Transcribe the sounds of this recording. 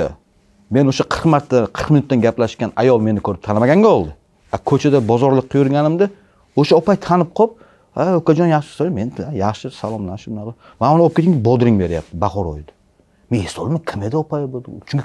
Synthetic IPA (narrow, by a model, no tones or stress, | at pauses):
me̞noʃaqʰəɾqmaɾt̪ʰːaqʰəɾqmɪnʊt̪ːanɡʲaplaʃkʲanajɒlˠme̞nɪkʰɵɾɪp̚t̪ʰanmaɡʲaŋɡʲaɒlˠd̪ɪ | akʰɵt͡ʃʰad̪abɒzɒɾlˠɨqʰːjʊɾɡʲanɪmd̪ɪ | oʃaɒpajt̪ʰanɪp̚qʰɒp̚ | aokad͡ʒɒnjaχʃɪ̥solmenajaχʃɪsalˠɒmnaʃɪmɪnaqɑ | manonɒpkʰʲet̪ɪŋʲbɒd̪ɾɪŋbe̞ɾɪja̰p̚t̪ʰɪbaχɒɾɒ̰jd̪ḁ | mehesɒlˠɪmakʲʰɪmed̪aɒpajbod̪t͡ʃʰʊ̃ŋkʰʲ